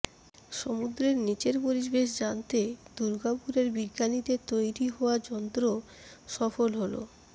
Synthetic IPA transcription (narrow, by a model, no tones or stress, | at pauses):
ʃomud̪ɾeɾnit͡ɕeɾpoɾid͡ʑbeʃd͡ʑant̪ed̪uɾɡapuɾeɾbiɡːanit̪et̪ojɾiɦɔoad͡ʑɔnt̪ɾo | ʃɔfolɦolo̰